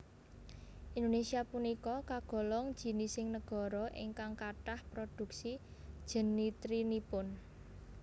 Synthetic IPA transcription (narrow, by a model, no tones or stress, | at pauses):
ʔind̪onesiapunikɔkaɡ̥ɔ̤lɔŋd̥ʒ̥i̤nisɪŋnəɡ̥ɔ̤ɾɔʔɪ̰ŋkaŋkaʈahpɾod̪̥ṳksid̥ʒ̥ə̤nːit̪ɾinipʊn